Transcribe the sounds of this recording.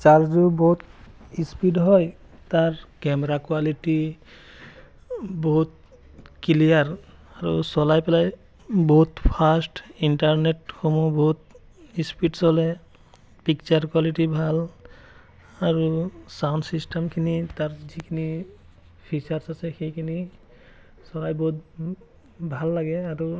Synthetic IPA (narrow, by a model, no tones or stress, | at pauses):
t͡ʃaɹzubɔɦut̪ispiɖɦɔj | taɹkɛmɛɾakwaliʈi | bɔɦut̪̚ | kilijaɹaɹṵsɔlajpɛlaj | bɔɦut̪pʰasʈinʈaɹneʈ̚xomubɔɦut̪̚ | ispiʈsɔlɛ | pik̚t͡ʃaɹkwaliʈibʱal | aɹusawndsisʈɛmkʰinitaɹzikʰini | pʰisaɹsasɛxejkʰini | sɔlajbɔɦut̚ | bʱalːaɡɛaɹu